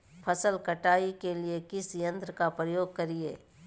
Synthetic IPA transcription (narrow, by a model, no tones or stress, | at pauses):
pʰɐsəlkɐʈaːikeliekɪsjə̃nt̪ɾkapɾəjoːɡ̚kɐɾieː